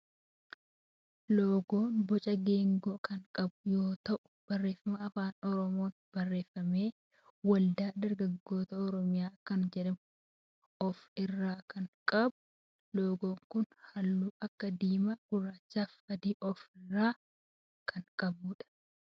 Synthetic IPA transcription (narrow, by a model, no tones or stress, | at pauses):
loːɡoːnbɔt͡ʃʼɐɡeːŋɡoːkɐŋkʼɐbʊjoːt̪ɐʔʊb̥ɐrːe̞ːfɐmɐɐfaːnɔɾɔmo̞ːn | b̥ɐrːe̞ːfːɐme̞ː | wɐld̪aːd̪ɐɾɡɐɡːo̞ːt̪ɐɔɾɔmɪjaːkɐnd͡ʒɛᶑɐm | ɔfɪrːaːkɐŋkʼɐbʊ̥ | loːɡo̞ːŋkʊnhɐlːuːʔɐkːɐd̪iːmɐɡ̥ʊraːt͡ʃːaːfɐd̪iːʔɔfɪrːaː | kʰɐŋkʼɐbʊːᶑɐ̥